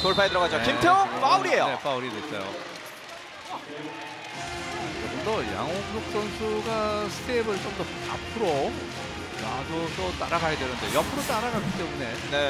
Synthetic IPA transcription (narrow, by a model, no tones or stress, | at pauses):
toɭpʰaɦedɯɾʌɡad͡ʑokimtʰepauɾie̞jone̞pauɾides͈ʌ̰jo̰ | t͡ɕomʌndʌja̰ŋoɡjok̚s͈ʌnsʰuɡasʰɯ̥tʰebɯɭt͡ɕomdʌa̰pʰɯɾo | nadosʰʌt͈a̰ɾaɡajedwenɯndejʌpʰɯɾot͈aɾaɡakit͈e̞mune̞ | ne